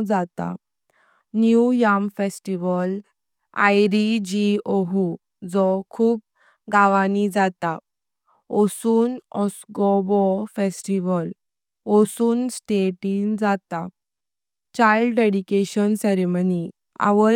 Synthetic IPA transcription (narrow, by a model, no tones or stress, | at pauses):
d͡zat̪a̰ | njujamfesʈiʋəl | a̰jɾid͡ʑioɦu | d͡zɔkʰuːp̚ | ɡaʋanid͡zat̪a | ɔsuːnɔsɡɔbɔfesʈiʋəl | ɔsuːnsʈeʈind͡zat̪a | t͡ɕajlɖɖeɽikeɕənsɛɾeməni | a̰ʋə